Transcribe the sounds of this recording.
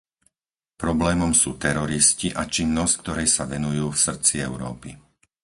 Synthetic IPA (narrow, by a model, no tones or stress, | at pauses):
pɾɔblɛːmɔmsuːt̪ɛɾɔɾisciʔat͡ʃinːɔsck̚t̪ɔɾɛjsaʋɛnujuːfsr̩t͡siɛʊɾɔ̰ːpi